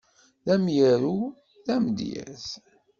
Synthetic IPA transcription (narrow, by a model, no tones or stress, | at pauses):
ðæmjəɾu | ðæmd̪jæ̰θ